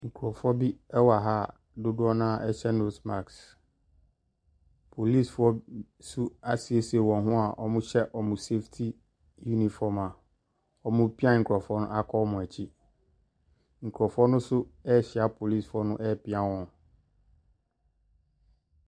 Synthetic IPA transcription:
ŋ̩˨kʰu˨ɔ˨fɔ˦bi˦ɛ˦wa˨ɦa˦˨ | dʊ˦dʊ˦ɔ˦nã˦ʔɛ˦ɕɛ˦no˦sma˨ks | pʰo˨li˦˨sfɔ˦ | su˦a˦si˨e˦si˨e˨wɔ̃˨nɦʊ̃˦a˨ʔɔ̰˨mʊ̃˦ɕɛ˦ʔɔ˨mʊ̃˨se˦ftʰi˦ | ju˦nĩ˨fɔ˨mã˨ | ɔ˨mʊ̃˦pi˦ã˦ŋ̩˨kʰɔ˨fɔ˦nʊ̃˦ʔa˦kʰɔ˦mʊ̃˨æ˨t͡ɕʰi˦ | ŋ̩˨kʰɔ˨fɔ˦nʊ̃˦sʊ˦ɛ˦˨ɕɪ˨a˦pʰo˨li˦˨sfʊ˨ɔ˦nʊ̃˦ʔɛ˦˨pɪ˦ã˦wɔ̃˨n

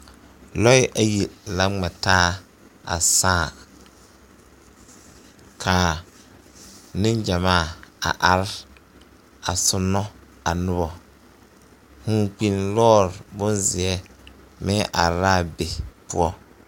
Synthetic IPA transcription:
lɔ˦ɪ˦ʔa˨ji˨la˦ŋ͡mɛ˨taː˦ | a̰˨saː˦˨ | kʰa˨ | nɪ˦nd͡ʒa˨maː˦˨a̰˨ʔa˨ɾɪ˦ | a˨sʊ˦nːɔ˦ | a˨nʊ˦βɔ˨ | hũ˨˦k͡pi˨nlɔː˦ɾbʊ˦nzɪ˨ɛ˦ | mɪ˦ʔa˨ɾaː˦˨be˨pʊ˦ɔ˦

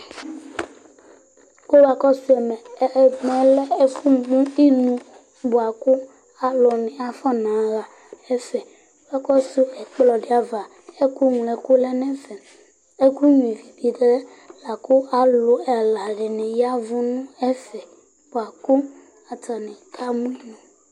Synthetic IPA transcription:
ko˦wa˨kɔ˦su˦ɛ˨mɛ˨˦˨ɡ͡bɛ̃˨lɛ˦e˦fu˦ɡ͡bũ˦i˦nũ˨ | bu˨a˨ku˦ | a˨lo˨nẽ˨a˨fa˦nã˨˦ɣa˨ | ɛ˦fɛ˨˦ | a˦kɔ˦su˦ɛ˨k͡plɔ˨ɖe˨˦a˨va˨ | e˦ku˦ŋ˨lɛ˨ku˦lɛ˦nɛ̃˦fɛ˨ | e˦ku˦ɲũ˨i˨vi˨vi˨ɖɛ˦ | la˨ku˦a˨lo˨ɛ˨la˨ɖe˨nẽ˨ja˦vu˦nũ˦ɛ˦fɛ˨ | bo˨a˨ku˦ | a˨t̪a˨nẽ˨kʰa˦mũ˦i˦nũ˨

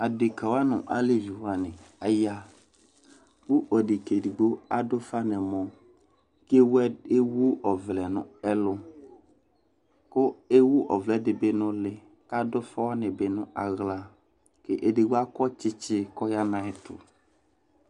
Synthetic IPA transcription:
a˨dɪ˨ka˨wa˦nʊ̰̃˨ʔa˨le˦vi˨wa˨nɪ̃˨a˨ja˦ | wu˦ʔɔ˨dɪ˨ke˨di˨ɡ͡bo˦a˨dʊ˦fa˦nɛ̃˨mɔ̃˨ | ke˦wɛ˦e˦wu˦ɔ˨vlɛ˨nʊ̰̃˦ɛ˦lʊ˦ | kʊ˦e˦wu˦ʔɔ˨vlɛ˨dɪ˨bɪ˦nʊ̃˦lɪ˨ | ka˦dʊ˦fa˦wa˦nɪ̃˨bɪ˦nʊ̃˦ʔa˨ɣla˨ | ke˦ʔe˨de˨ɡ͡bo˦a˦kɔ˦t͡ʃɪ˦t͡ʃɪ˦kɔ˦ja˦nã˨ɛ˨tʰʊ̰˨

